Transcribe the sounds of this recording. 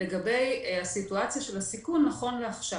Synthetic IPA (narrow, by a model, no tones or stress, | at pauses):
eɡabe̞jasituat͡sjaʃe̞lasikunːaχo̞nleaχʃa